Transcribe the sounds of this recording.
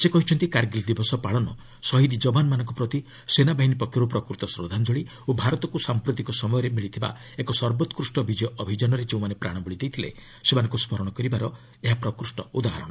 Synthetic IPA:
sekɔɦit͡ʃʰɔnt̪ikaɾɡild̪ibɔsɔpaɭɔnɔ | sɔɦid̪id͡ʒɔbʱanmanɔ̃ŋkɔpɾɔt̪i | senabaɦinipɔkʰjɔɾupɾɔkɾut̪ɔsɾɔd̪ʱand͡ʒɔɭi | obʱaɾɔt̪ɔkusampɾut̪ikɔsɔmɔjɔɾemiɭit̪ʰiba̰ | ekɔsɔɾbɔt̪ɔkɾusʈɔbʱid͡ʒjɔʔɔbʱid͡ʒɔnɔɾed͡ʒeũmanepɾa̰ɽ̃ɔbuɭid̪ejt̪ʰilḛ | semanɔ̃ŋkuspɔɾɔɽ̃ɔkɔɾibaɾɔ | eɦapɾɔkɾusʈɔud̪aɦɾɔɽ̃ɔ

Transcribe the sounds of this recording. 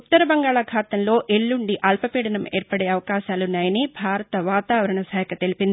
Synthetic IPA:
ut̪ːɐɾɐbɐŋɡaːɭɐkʰaːt̪ɐmlo̞ːʔeɭːuɳɖiʔɐlpɐpiːɽɐnɐmeːɾpɐɽe̞ːɐʋɐkaːʃaːlunːaːjɐnibʱaːɾɐt̪ɐʋaːt̪aːʋɐɾɐɳɐsaːjɐkʰɐt̪elipind̪i

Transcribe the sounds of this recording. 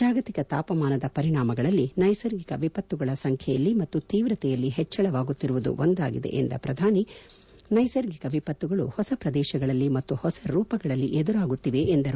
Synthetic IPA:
aːɡɐt̪ikɐt̪aːpɐmaːnɐd̪ɐpɐɾiɳaːmɐɡɐɭɐlːinɐjsɐɾɡikɐʋipɐt̪ːuɡɐɭɐsɐŋkʰjɛjɐlːimɐt̪ːut̪iːʋɾɐt̪ɛjɐlːiɦɛt͡ʃːɐɭɐʋaːɡut̪ːiɾuʋud̪ṵʔond̪aːɡḭd̪ḛʔḛnd̪ɐ̰pɾɐd̪ʱaːni | nɐjsɐɾɡikɐʋipɐt̪ːuɡɐɭṵhɔsɐpɾɐd̪ɛːʃɐɡɐɭɐlːimɐt̪ːuhɔsɐɾuːpɐɡɐɭɐlːiʔɛd̪uɾaːɡut̪ːiʋe̞ʔːnd̪ɐɾu

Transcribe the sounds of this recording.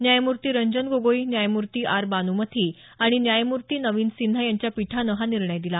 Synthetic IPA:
njajmuɾt̪iːɾəɲd͡ʑənɡoɡoinjajmuɾt̪iːʔaɾbanumət̪ʰiː | aɽ̃injajmuɾt̪iːnəʋiːnsin̤ːajaɲt͡ɕjapiʈʰanəɦaniɾɳəjd̪ila

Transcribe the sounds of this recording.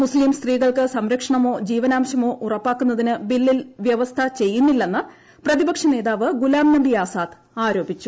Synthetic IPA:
muslimst̪riːɣɐɭkɨsɐmɾɐkʂɐɳɐmo̞ːd͡ʑiːʋɐnaːmɐɕɐmo̞ːʔurɐpːaːkːunːɐðinɨbilːilʋjɐʋɐst̪ʰɐt͡ɕe̞jːunːilːe̞nːɨ | prɐðibɐkʂɐne̞ːðaːʋɨɡulaːmnɐɳɖijaːsaːd̪ | aːɾo̞ːbʱit͡ɕːu

